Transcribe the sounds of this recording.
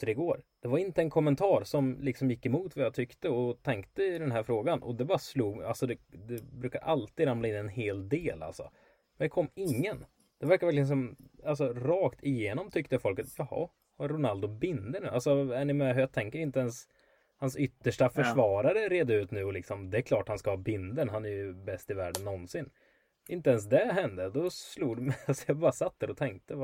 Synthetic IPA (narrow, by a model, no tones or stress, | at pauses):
əɾɪɡoːɾd̪̥ɛvaɾɪnt̪əɛnkʰɔmːɛnt̪ʰɑːɾsɔmlɪksɔmjɪkːɛmuːt̪vajat̪ʰʏkt̪əɔt̪ʰɛŋkt̪əɪd̪ɛnɦæːɾfɾoːɡanʔɔ̰d̪ɛbɑːɾasluːɡalsɔd̪ɛd̪ɛbɾʉ̟ːka̰ɾʔalt̪iːd̪ɾamlaɪnːɛnɦeːld̪eːla̰lsɔ̰ | mɛnd̪ɛkʰɔmːɪŋːən | d̪̥ɛvæɾkaɾvɛɾkləns̬ɔmals̬ɔɾɑːkt̪ʰɪjeːnɔmt̪ʰʏk̚t̪əfɔlkːat̪jɑhɑ̰ | ɾʊnald̪ʊbɪnd̪əɳʉ̰ːalsɔæɳɪmɛɦjɑt̪ʰɛŋkəɾɪnt̪əɛns | hansʏt̪ːəʂʈafœʂvɑːɾaɾəɾeːd̪aʉ̟ːt̪nʉ̟ːɔlɪksɔmd̪ɛːkʰlɑːʈhanskahɑːbɪnd̪ənɦanæɾjɵbɛst̪ɪvæːɖənːɔnsɪnː | ɪnt̪əɛns̬d̪ɛɦɛnd̪əd̪ɔsluːd̪mɛalsɔjɑbɑːɾasat̪̚d̪æɾɔt̪ʰɛŋk̚t̪əva